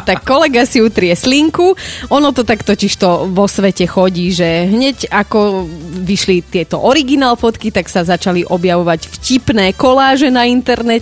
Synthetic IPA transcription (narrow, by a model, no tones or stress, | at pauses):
t̪akːɔlɛɡasiut̪ɾɪɛsliŋkuɔnɔt̪ɔt̪akt̪ɔciʃt̪ɔʋɔsʋɛcɛxɔɟiːʒɛɦɲɛcakɔʋiʃlit̪ɪɛt̪ɔʔɔɾiɡinaːlˠfɔt̪kit̪aksazat͡ʃaliʔɔbjaʋɔʋacfcipnɛːkɔlaːʒɛnaint̪ɛɾnɛ